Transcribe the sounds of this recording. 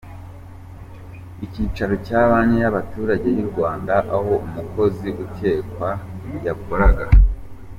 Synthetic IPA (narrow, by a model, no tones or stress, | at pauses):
iciːt͡ʃaɾo̞caːβaɲejaβatuːɾaɟe̞jiɾɡwaːndaʔaho̞umuko̞ziʔute̞ːkwaɟakoɾaɡa